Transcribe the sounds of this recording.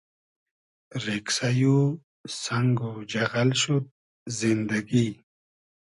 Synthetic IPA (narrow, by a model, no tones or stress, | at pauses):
ɾeksaju | saŋɡod͡ʒaɣalʃut̪̚ | zind̪aɡi